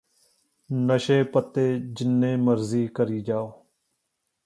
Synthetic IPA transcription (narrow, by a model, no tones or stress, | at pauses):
nəʃeːpət̪ːeːd͡ʒɪnːẽːməɾziːkəɾiːd͡ʒaːoː